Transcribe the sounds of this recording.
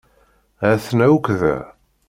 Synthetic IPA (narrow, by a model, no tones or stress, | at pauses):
æθnæwkʷðæ̰